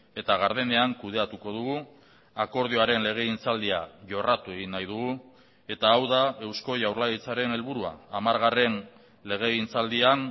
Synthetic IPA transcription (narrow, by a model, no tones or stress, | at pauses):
e̞t̪aɣaɾðene̞aŋkuð̞e̞at̪uko̞ð̞uɣu | ako̞ɾð̞ioaɾe̞nle̞ɣ̞e̞int͡sald̪iaʝo̞rat̪ue̞ɣ̞inːajð̞uɣu | e̞t̪aːwðae̞wsko̞ʝawɾlaɣit͡saɾe̞ne̞lβuɾua̰ːmaɾɣare̞n | le̞ɣ̞e̞int͡sald̪ian